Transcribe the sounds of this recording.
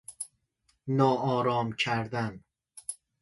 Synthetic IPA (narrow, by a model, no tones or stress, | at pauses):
nɒːɒːɾɒːmcʰæɾd̪æn